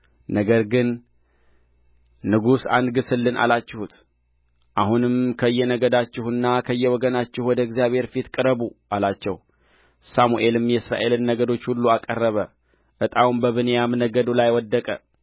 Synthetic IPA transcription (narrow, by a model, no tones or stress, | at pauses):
nəɡəɾɡɨn | ɨɡusanɡɨsɨlːɨnʔa̰lat͡ʃːɪhut̪ | ʔahunɨmkʰəɨjːɛnəɡəd̪at͡ʃːɪhɨnːakʰəɨjːɛwɔɡənat͡ʃːɪhwɔd̪əɡzijaβhe̞ɾfit̪kʼɨɾəbuʔalat͡ʃːɛ̰h | samuʔe̞lɨmjɛsɾa̰ʔe̞lɨnːəɡəd̪o̞t͡ʃːhulːuakʼərːəβə | ʔɨt̪ʼawumbəβɨnejamnəɡəd̪ulajwɔd̪ːəkʼə̰